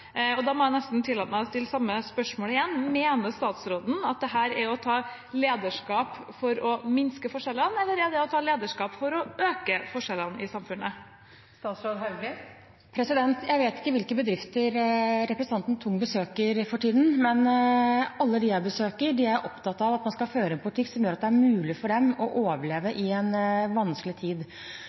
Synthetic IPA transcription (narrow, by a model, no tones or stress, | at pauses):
ɔd̪ɑmɔjæɪnɛst̪n̩t̪ʰɪlːɑt̪mæɪɔst̪ɪlːsɑmːəspœʂmoːlɪjɛnːmeːnəst̪ɑːt̪sɾoːd̪n̩ɑt̪̚d̪ɛɦæːɾæɾɔt̪ʰɑː | leːd̪əʂkɑːpfɔɾɔmɪnskəfɔʂɛlːənɛlːəɾæɖ̪ɛɔt̪ʰɑːleːd̪əʂkɑːpfɔɾɔøːkəfɔʂɛlːənɪsɑmfʉnːə | st̪ɑːt̪sɾoːd̪ɦɑɡ | pʰɾɛsɪd̪ɛnt̪jæɪʋeːt̪ɪ̥kːəʋɪlkəbəd̪ɾɪft̪əɾɾɛpɾəsət̪ɑnt̪ən̩t̪ʰʊŋːəbəsøːkəɾfɔʈiːd̪n̩mɛn | ɑlːəd̪ɪæbəsøːkəɾɖɪæɾʔɔpt̪ɑt̪ːɑʋɑt̪mɑnskɑføːɾəɛːnpʰʊlɪʈ̪ɪkːsɔmjøːɾɑt̪̚d̪ɛæɾmʉːlɪfɔɖɛmɔʔoːʋəɭeːʋəʔɪɛnʋɑnskəlɪt̪ʰiːd̪